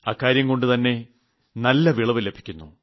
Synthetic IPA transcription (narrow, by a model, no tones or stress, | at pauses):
aːkːaːɾjɐŋko̞ɳɖɨt̪ɐnːe̞ | nɐlːɐʋiɭɐʋɨle̞bʱi̥kʲːunːu